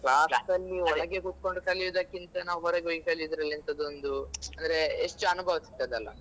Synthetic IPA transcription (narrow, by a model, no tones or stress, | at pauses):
klaːssɐlːiɔɭɐɡekut̪̚ko̞ɳɖukɐlijod̪akːint̪ɐnaːʋuɦɔɾeɡoɡikɐlid̪ɾɐlːiɐnt̪ɐd̪ond̪uɐnd̪ɐɾeːʂʈuɐnubʱɐʋisi̥t̪ːajd̪ɐlːɐ̰